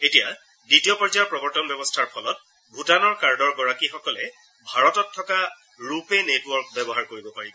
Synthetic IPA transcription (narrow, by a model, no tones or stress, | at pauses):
etija | ditijɔpɔɹzaɔpɹɔbɔɹtɔnbjɛbɔstʰaɹpʰɔlɔt̚ | bʱutanɔɹkaɹdɔɹɡɔɹakixɔkɔlɛ | bʱaɹɔtɔtʰːɔka | ɹupenetwɔɹk̚bɛbɔɦaɹkoɹibɔpaɹibɔ